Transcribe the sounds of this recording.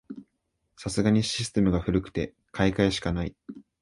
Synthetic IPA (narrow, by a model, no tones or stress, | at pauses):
sasɨɡaɲ̟iɕi̥sɨ̥t̪e̞mɯ̟ɡaɸɯ̟ɾɯ̟kɯ̟̥t̪e̞ | kʰaikaiɕi̥kanai